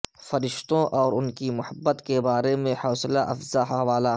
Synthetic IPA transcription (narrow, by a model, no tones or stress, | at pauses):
fɐɾɪʃt̪õʔɔːɾʊnkimʊhəbːət̪kebaːɾemẽhɔːslaʔɐfzaɦɐʋaːla